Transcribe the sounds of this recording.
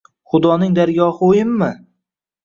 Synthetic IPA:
χʊd̪ɒnɪŋd̪aɾɡɒhojɪmːɪ

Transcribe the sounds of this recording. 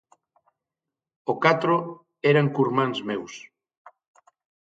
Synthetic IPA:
okat̪ɾo | ɛɾaŋkuɾmãŋzmews

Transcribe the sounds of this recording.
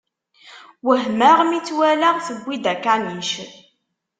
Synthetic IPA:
wəɦməʁmit͡sːwælæʁθəɡʷːid̪ækaniʃə

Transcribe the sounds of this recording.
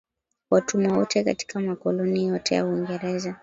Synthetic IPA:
watumawɔtʰɛka̰ti̥kamakɔlɔnijɔtʰɛja̰uiŋɡɛɾɛza

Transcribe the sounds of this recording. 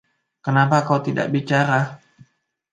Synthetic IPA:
kənapakawt̪ida̰ʔ̚bit͡ʃaɾa

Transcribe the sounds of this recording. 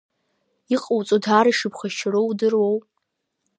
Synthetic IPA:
iqʼowt͡sʼodʰaːɾaʂɨpχaʃrowdɨrwow

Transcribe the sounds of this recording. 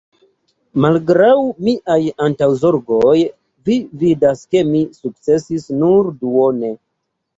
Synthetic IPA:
malɡɾawmiʔajantawzo̞ɾɡoj | vividaske̞misuk̚t͡se̞sisnuɾduone̞

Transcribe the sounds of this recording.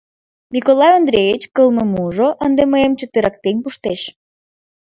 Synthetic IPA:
mikolɑjond̪ɾʲejit͡ɕkəlˠməmuʒoʔənd̪eməjemt͡ɕət̪əɾɑk̚t̪enʲpuʃt̪eʃ

